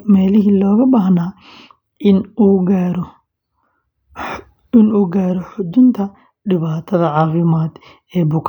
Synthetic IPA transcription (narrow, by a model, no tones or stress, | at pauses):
mɛːlɪɦiːlɔːɣɐbaːhnaː | ɪnuːɡaːɾ | ɪnuːɡaːɾɔħʊd͡ʒɪnt̪ʰɐ | ɖɪβaːt̪ʰɐðɐʕɑːfɪmaːd̪ | ɛːbʊkʰ